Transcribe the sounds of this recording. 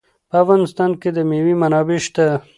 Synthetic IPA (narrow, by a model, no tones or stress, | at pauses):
pəafɣɑnɪst̪ɑnked̪əmewimanɑbeʃt̪a